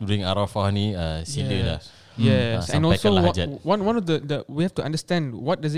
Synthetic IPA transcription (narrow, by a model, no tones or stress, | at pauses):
buiĩŋaɾɔfaniəiləla | jɛsɛ̃nɔlɛsoad͡ʒəwãnwãnɔfdədəwihɛftuʔãndəstɛ̃ndwɔt̚daz